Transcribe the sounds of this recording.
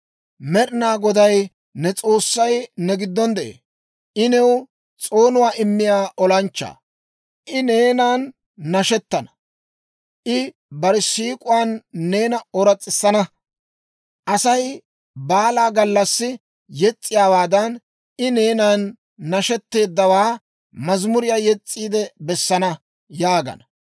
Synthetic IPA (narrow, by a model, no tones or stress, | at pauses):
mɛɾɪnaːɡɔd̪ɐj | nɛt͡sʼo̞ːsːɐjnɛɡɪd̪ːɔnd̪ɛʔḛː | ʔɪnɛw | t͡sʼo̞ːnʊwaːʔɪmːɪjaːʔɔlɐnt͡ʃːa̰ː | ʔɪne̞ːnaːnː | ɐʃɛt̪ːɐnɐ̥ | ʔɪ | bɐɾɪsiːkʼʊwaːnːe̞ːnɐɔɾɐt͡sʼːɪsːɐnɐ | ʔɐsɐj | baːlaːɡɐlːɐsːɪ | jɛt͡sʼːɪjaːwaːd̪ɐn | ɪne̞ːnaːnː | ɐʃɛt̪ːe̞ːd̪ːɐwaː | mɐzmʊɾɪjaːjɛt͡sʼːiːd̪ɛbɛsːɐnɐ | jaːɡɐ̰nɐ